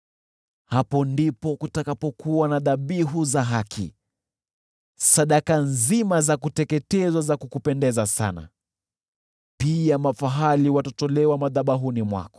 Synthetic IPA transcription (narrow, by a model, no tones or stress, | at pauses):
hapɔndipɔkutakapɔkuwanaðaɓiɦuzaɦakʰḭ | saɗakanzimazakutɛkɛtɛzwazakukupɛndɛzasa̰na̰ | piamafaɦaliwatɔtɔlɛwamaðaɓaɦunimwa̰kɔ̥